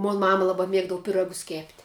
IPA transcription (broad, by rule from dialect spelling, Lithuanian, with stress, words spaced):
moːn ˈmɑːmɐ ˈlˠɑːbɐ ˈmʲiɛɡdɐʋʊ pʲɪˈrɑːɡʊs kʲeːpʲtʲ